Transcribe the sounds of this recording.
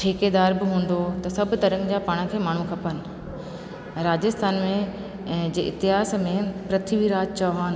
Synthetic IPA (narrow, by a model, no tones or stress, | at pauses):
ʈʰeːked̪aːɾbɪɦũːn̆d̪ot̪ɐsɐbʱʊ̆t̪ɐɾə̃ŋɡd͡ʑaːpaːɽ̃ə̆kʰeːmaːɳ̤ũkʰɐpənɪ̆ | ɾaːd͡ʑəst̪ʰaːnmẽ | d͡ʑeːʔɪ̰t̪ɪɦaːsmẽpɾɐt̪ʰiʋiɾaːd͡ʑt͡ɕɐɦaːnɪ̆